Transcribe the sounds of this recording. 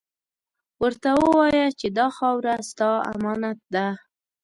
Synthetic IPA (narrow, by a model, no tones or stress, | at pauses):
wəɾt̪awəwɑjat͡ʃed̪ɑxɑwɾast̪ɑa̰mɑnat̪̚d̪a